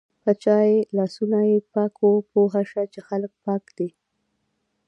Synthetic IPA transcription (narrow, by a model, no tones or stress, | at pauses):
pət͡ʃɑjelɑsunajepɑkʰopoɦaʃat͡ʃexalək̚pɑkd̪e